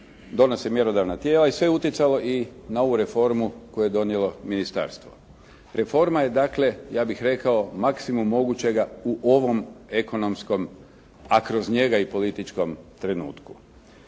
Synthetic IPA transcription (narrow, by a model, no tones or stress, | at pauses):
d̪o̞nosemje̞ɾo̞d̪aʋnat̪je̞ːlaisʋeut̪jet̪salo̞ʔinao̞ʋuɾe̞fo̞ɾmukojuje̞d̪o̞nje̞lo̞minist̪a̰ːɾst̪ʋo̞̰ | ɾe̞fo̞ɾmaje̞d̪akle̞jaːbixɾe̞kao̞maksimumːo̞ɡut͡ɕe̞ɡauʔo̞ʋo̞me̞ko̞no̞msko̞m | akɾo̞zɲe̞ɡaipo̞lit̪it͡ʃko̞mt̪ɾe̞nṵːt̪ku̥